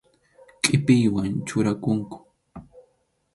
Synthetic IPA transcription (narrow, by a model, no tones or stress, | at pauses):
kʼɪpɪjwant͡ʃʊɾakʊŋkʊ̥